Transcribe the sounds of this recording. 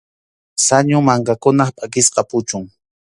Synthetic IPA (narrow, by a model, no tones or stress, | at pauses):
saɲʊmaŋkakʊnɑχpʼakɪsqɑpʊt͡ʃʊŋ